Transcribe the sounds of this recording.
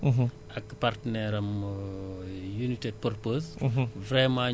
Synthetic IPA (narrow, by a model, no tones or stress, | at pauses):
ʔɐkːpartənɛɾɐm | junited̚pɔrpoːzvɾɛmaː